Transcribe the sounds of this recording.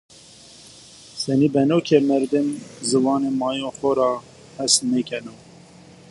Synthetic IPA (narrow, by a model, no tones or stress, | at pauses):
sɛniːbɛnoːkʰemɛɾd̪ɨnzɨwɑːneːmɑːjoxɔɾɑː | hɛsmekʰɛno